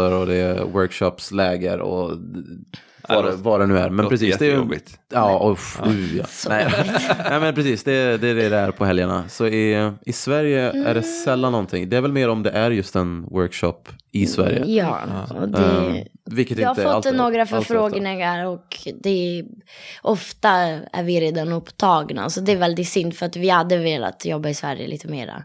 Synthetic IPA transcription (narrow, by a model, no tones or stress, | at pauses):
əɾɔd̪ɛwœɾkʃɔpslɛːɡəɾɔ̰ | vɑɛvɑɖɛnʉ̟ːæ̰ɾmɛnpɾɛsiːsd̪ɛɪɑːɔʉjɑ̰ːnɛnɛmɛnpʰɾɛsiːsd̪ɛd̪ɛd̪ɛd̪ɛæɾpʰɔɦɛljaɳa̰sɔɪɪsvæɾjəæ̰ɖɛsɛlːanːɔnt̪ʰɪŋːd̪ɛæɾvɛlmeːɾɔmd̪ɛʔæɾjɵst̪ɛnwœɾkʂɔ̰pːɪsvæ̰ɾjə̰jɑ̰ːɔ̰d̪ɛvɪlkːət̪ɪjahaɾfɔtlːnoːɡɾafœɾfɾoːɡnɪŋaɾɔkd̪ɛ | ʔɔft̪aæ̰ɾvɪɾeːd̪anɵpt̪ʰɑːɡna̰sɔd̪ɛːɾvɛld̪ɪt̪sʏnt̪fœɾat̪vɪhad̪ːəveːla̰t̪jɔbːaɪsvæɾjə̰lḭːt̪əmḛːɾa̰